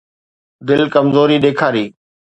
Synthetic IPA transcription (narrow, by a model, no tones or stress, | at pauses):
d̪ɪlkəmzoːɾiːɗeːkʰaːɾiː